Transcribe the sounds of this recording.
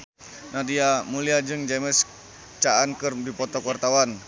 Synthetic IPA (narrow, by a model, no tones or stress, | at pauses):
nadiamuliad͡ʒɨŋd͡ʒɛmɛs | t͡ʃaankɨrdipɔt̪ɔkwart̪awan